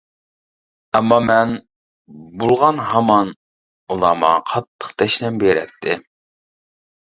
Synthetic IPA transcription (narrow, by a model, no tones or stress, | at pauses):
ɛmːɑmɛn | bulˠʁɑnɦɑmɑn | ulˠɑmɑqʰɑt̪ʰːə̥qt̪ʰɛʃlɛmbeɾɛ̰t̚t̪ʰːɪ